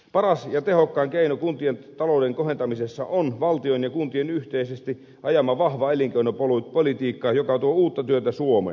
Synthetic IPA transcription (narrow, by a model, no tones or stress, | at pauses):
pɑrɑsjɑt̪ehokːɑːŋkeinokunt̪ient̪ɑloudeŋkohent̪ɑmisesːɑ̰ʔonʋɑlt̪ionjɑkunt̪ienyht̪eisest̪i | ʔɑjɑmɑʋɑhʋɑeliŋkeinopolupolit̪iːkːɑːjokɑt̪uouːt̪ːɑt̪yøt̪æsuomḛ